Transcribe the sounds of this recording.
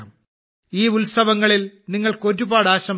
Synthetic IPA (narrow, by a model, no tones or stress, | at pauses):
m | iːulsɐʋɐŋːɐɭilniŋːɐɭko̞ɾubaːɽaːɕɐm